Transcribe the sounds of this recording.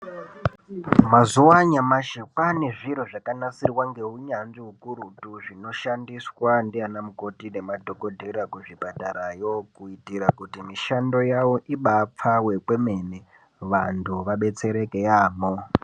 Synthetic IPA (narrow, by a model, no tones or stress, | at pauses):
mazuwaɲamaʃekwaneʐiɾ̤oʐakanasirwaŋɡe̞ɦuɲanʐiɦukuɾutuʐino̞ʃandiswandianamuko̞tine̞madʱo̞ko̞dʱerakuʐipataɾajo̞kuitiɾakutimiʃando̞jawo̞ʔiɓap͡fawe̞kwe̞me̞ne | ʋantʰuʋaɓe̞t͡se̞ɾe̞kejaːmo